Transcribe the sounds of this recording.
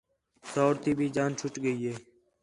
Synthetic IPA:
soːʋɾt̪iːbʱiːd͡ʒaːnt͡ʃʰʊʈɡəiːɦeː

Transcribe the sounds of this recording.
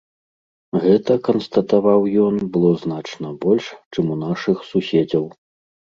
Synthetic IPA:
ɣɛt̪ɐkɐnst̪ɐt̪avawjɔnbɨlˠɔznat͡ʂnɐbɔlʲʂt͡ʂɨmun̪aʂɨxsusʲɛd͡zʲɐw

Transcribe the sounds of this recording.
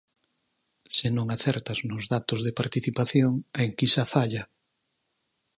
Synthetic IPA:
sɪnõŋaθɛɾt̪aznʊzðat̪ʊzðepaɾt̪iθipaθjoŋaeŋkisafaʎɐ

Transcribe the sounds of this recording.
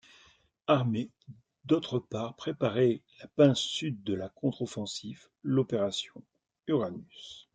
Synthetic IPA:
aʁme | d̪ot̪χəpaʁpχepaʁɛlapɛ̃syd̪̚ːəlakɔ̃t̪χɔfɑ̃sif | lɔpeʁasjɔ̰̃ | yʁanys

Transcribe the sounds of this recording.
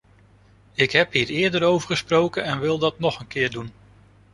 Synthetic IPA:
ɪkɦɛpɦiːɹɪːɹdəɾowvəɹχəsprowkənɛnʋɪlˠdɑtnɔχənkɪːɹdun

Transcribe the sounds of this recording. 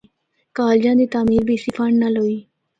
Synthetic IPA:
kaːld͡ʒãːd̪iːt̪aːmiːɾbʱiːsifʰəɳɖnaːlɦoːiː

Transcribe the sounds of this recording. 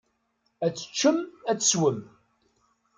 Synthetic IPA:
æt͡sːə̥t͡ʃːəmæt͡sːə̥swəm

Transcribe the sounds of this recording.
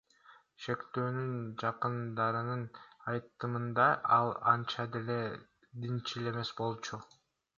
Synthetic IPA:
ʃe̞kt̪ø̞ːnynd͡ʒɑqɯnd̪ɑɾɯnɯnɑjt̪ːɯmɯnd̪ɑɑlˠɑ̰nt͡ʃɑd̪e̞le̞ | d̪int͡ʃile̞me̞sbo̞lˠt͡ʃu

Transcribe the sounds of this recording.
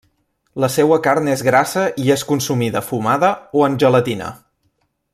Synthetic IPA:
ləsɛwəkarnezɣɾasəʔieskunsumiðəfumaðəoənʲʒələt̪inə̰

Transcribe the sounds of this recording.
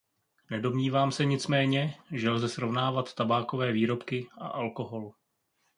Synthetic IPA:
nɛdo̞mɲiːvaːmsɛɲɪt͡smɛːɲɛʒɛlzɛsɾovnaːvat̪ːabaːko̞vɛːviːɾo̞pkɪʔa̰ʔalko̞ɦo̞l

